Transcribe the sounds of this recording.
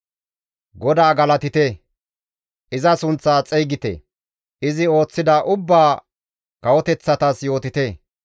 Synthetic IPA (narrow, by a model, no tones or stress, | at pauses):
ɡɔd̪aːɡɐlɐt̪ɪt̪e | ʔɪzɐsʊnt͡sːaːt͡sʼɛjɡɪt̪ḛ | ʔɪzɪo̞ːt͡sːɪd̪ɐʔʊbːaː | kɐwɔt̪ɛt͡sːɐt̪ɐsjo̞ːt̪ɪt̪e